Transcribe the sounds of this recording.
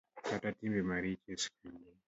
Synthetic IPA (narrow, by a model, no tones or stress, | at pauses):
katatibɛmaɾit͡ʃɛskini